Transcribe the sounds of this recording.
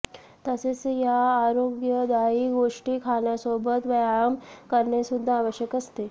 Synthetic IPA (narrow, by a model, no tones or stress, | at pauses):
t̪əsesejaːɾoɡjəd̪aiɡoʂʈikʰaɳjasobət̪ʋəjaəmkəɾɳesud̪ʱːaːʋəɕjəkəst̪e